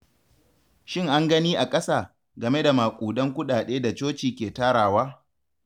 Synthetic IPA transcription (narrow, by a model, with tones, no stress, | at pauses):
ʃɪ˦ŋʔa˦ŋɡɐ˦niː˦ʔa˨kʼɐ˦saː˨ | ɡɐ˨me˦da˨maː˨kʷʼuː˨dɐ˦ŋkʷʊ˦ɗaː˨ɗeː˦da˨t͡ʃoː˦t͡ʃiː˨kʲeː˨taː˦ɽaː˨waː˦